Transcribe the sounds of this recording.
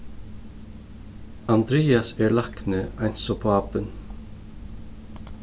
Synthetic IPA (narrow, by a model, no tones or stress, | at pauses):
ɑnd̪ɾeːɑsæːɹɭɑknəɑɪnsɔpʰoːɑːpən